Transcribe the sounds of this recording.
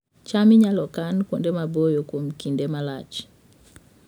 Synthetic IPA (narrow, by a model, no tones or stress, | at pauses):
t͡ʃamiɲalɔkankɔndɛmabojokomkindɛmala̰t͡ʃ